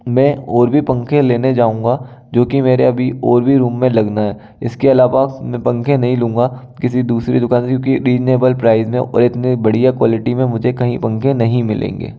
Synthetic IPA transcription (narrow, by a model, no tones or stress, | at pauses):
mɛ̃ːɔːɾbʱipɐ̃ŋkʰẽleːned͡ʒaːũːŋɡad͡ʒoːkimeːɾeɐbʱiɔːɾbʱiɾuːmːẽlɐɡnaɦɛː | ɪskeɐlaːʋamɛ̃pɐ̃ŋkʰẽnɐɦĩlũːŋ̆ɡa | kɪsid̪uːsɾid̪ʊkaːnkjõːkiɾiːd͡ʒneːbəlpɾaːɪzmẽʔɔ̰ːɾɪt̪nibɐɽ̤ijakwaːlɪʈimẽmʊd͡ʒʱekɐɦĩpɐ̃ŋkʰẽnɐɦĩmɪlḛ̃ːŋɡḛː